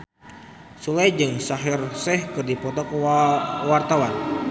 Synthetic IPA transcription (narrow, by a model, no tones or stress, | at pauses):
sulɛjd͡ʒɨŋsaɦirsɛhkɨrdipɔt̪ɔk | wart̪awan